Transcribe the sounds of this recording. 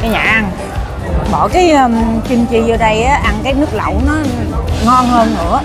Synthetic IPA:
ka˨˧ɲa̰ː˨ʔa˧ŋ | ɓɔː˧˩kaː˨˦jʔə˨˧mt͡ɕi˧mt͡ɕi˧˨zəː˧ɗə˧jʔaː˨˦ʔa˧ŋkaː˨˦jnɨ˦˥ək̚lə̰˧˨wnɔ˨˦ŋɔ˧nhəː˧nnɨ̰˧˩ə

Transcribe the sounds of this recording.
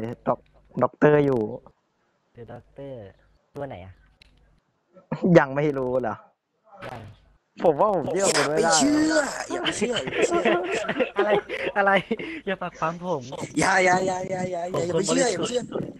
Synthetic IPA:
dɔ˨˩k̚ | dɔ˨˦˥k̚t̪ɤː˥˩juː˨˩ | d̪ɯ˨˩˦dɔ˨˧˩k̚t̪ɤː˥˩ | t̪u˧ɐna˨˩˦jʔa̰˨˩ | ja˧ŋma˥˩jɾuː˦˥la˨˦˥ | ja˧˩ | pʰo˩˦mwaː˥˩pʰo˨˩˦mt͡ɕʰɯ˥˩ɐ˩mo˨˩˦t̚we˧a˥˩la˧ɯ˥˩˥ɐja˨˧t͡ɕɯ˥˩ɐ | ʔa˧ɾa˧jʔa˧ɾa˧jjaː˧˩paː˨˩k̚ʰwaː˨˦mpʰo˨˩˦mja˧˩ja˧˩ja˧˩jaː˧˩ja˧˩jaa˦˧˩ja˨˩˨ma˥˩t͡ɕʰɯ˥˩ɐja˨˧˨a˧˦ɯ˥˩˨

